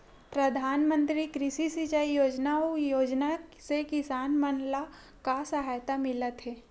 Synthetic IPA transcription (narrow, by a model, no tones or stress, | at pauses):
pɾɐd̪ʱaːnmə̃nt̪ɾikɾɪʃisit͡ʃaijoːd͡ʒnaojoːd͡ʒnasekɪsaːnmənla | kasɐɦaːjt̪amɪlət̪ɦɛː